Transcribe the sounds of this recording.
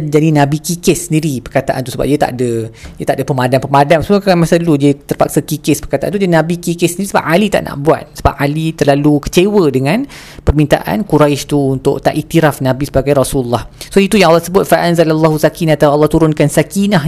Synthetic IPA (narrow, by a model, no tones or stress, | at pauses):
d͡ʒadinãbikikɪssəndiɾipərkat̪aʔa̰nt̪usəba̰p̚diət̪a̰ʔdədət̪aʔdəpəmadanpəmadamsukaanmasadəludiət̪ərpa̰ksakikɪspərkat̪aʔant̪ud͡ʒadinãbikikɪsəndiɾisəba̰p̚alit̪a̰ʔnʔa̰ʔbua̰t̪̚səba̰p̚alit̪ərlalukə̥t͡ʃewədəŋãn | pərmint̪a̰ʔa̰nkuɾajʃt̪uunt̪ʊ̰ʔt̪a̰ʔit̪iɾafnãbisəbaɡajɾasulːahsoit̪ujãŋalːɑt̪əsəbʊt̪̚faʔanzalalːaɦusakinat̪awalːɑht̪uɾʊnkansakinaɦ